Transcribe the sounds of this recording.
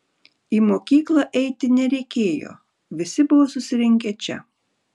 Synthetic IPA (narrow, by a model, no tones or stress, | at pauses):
iːmoːkʲiːklˠɑʔɛɪt̪ʲɪnʲɛɾʲɛɪkʲeːjo̰ː | ʋʲɪsʲɪbʊʋoːsʊsʲɪɾʲɪŋʲkʲɛt͡ʃʲɛ̰